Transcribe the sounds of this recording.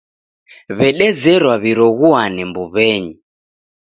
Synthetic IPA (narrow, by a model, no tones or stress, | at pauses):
βɛɗɛd͡zɛɾwaβiɾɔɣuanɛmbuβɛɲi